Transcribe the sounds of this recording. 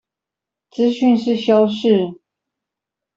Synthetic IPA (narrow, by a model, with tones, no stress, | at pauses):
t͡sɹ̩˥ɕy˥˧nʂɻ̩˥˨ɕjɑ˥ʊʂɻ̩˥˩